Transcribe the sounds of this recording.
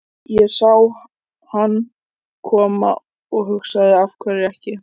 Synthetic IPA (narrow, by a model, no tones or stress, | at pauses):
jɛɣsaw | hanː | kʰɔːma̰ | ɔɣɦʏksaðɪafkʰvɛɾɪɛhcɪ